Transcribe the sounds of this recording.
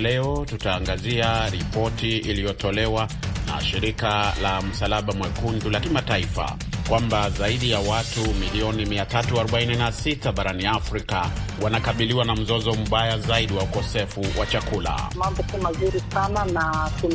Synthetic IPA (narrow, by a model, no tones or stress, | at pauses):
lɛɔtutaːŋɡaziaɾipɔtiilijɔtɔlɛwana̰ʃiɾikalam̩salaɓamwɛkundulakimataifa̰ | kwambazaiɗijawatumiliɔnimiatatuaɾɔɓaininasitaɓaɾaniafɾika | wanakaɓiliwanam̩zɔzɔm̩ɓajazaiɗiwaukɔsɛfuwʔat͡ʃakula̰mambukimazuɾisananatun